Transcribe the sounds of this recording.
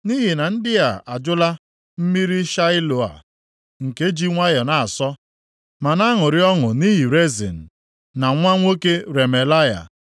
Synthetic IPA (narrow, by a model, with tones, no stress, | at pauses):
ni˦ɦi˨na˨n̩˦dɪ˦a˨a˨d͡ʒʊ˦la˦ | m̩˦mi˦ɾi˦ʃa˦ɪ˦lo˨a̰˨ | ŋ̩˨ke˦d͡ʒi˦ŋʷa˦jɔ˨na˨a˨sɔ˦ | ma˨na˦ŋʊ˨ɾɪ˦ɔ˦ŋʊ˨ni˦ɦi˨ɾe˦zḭ˨n̩˨ | na˨ŋʷa˦ŋʷo˦ke˦ɾe˨me˨la˦ja̰˨